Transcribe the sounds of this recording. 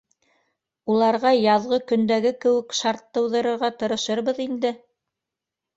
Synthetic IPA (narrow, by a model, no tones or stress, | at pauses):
ulˠɑɾʁɑjɑðʁɤkɵ̆nd̪æɡɘkɘ̆wɘ̆kʃɑɾt̪ːɤ̆wðɤ̆ɾɤ̆ɾʁɑt̪ɤ̆ɾɤ̆ʃɤɾβɤðind̪ɘ